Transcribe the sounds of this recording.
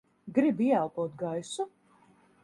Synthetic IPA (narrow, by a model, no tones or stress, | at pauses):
ɡɾibiɛalˠpuɔt̪̚ɡajsu